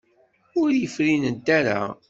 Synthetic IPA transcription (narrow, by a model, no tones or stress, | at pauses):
ʊɾjəfɾinənt̪ːæɾa̰